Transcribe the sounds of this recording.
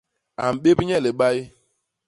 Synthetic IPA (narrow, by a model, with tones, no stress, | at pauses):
a̰˨m̩˨ɓe˦bi˦ɲe˦le˨ɡ͡ba˦ɪ˦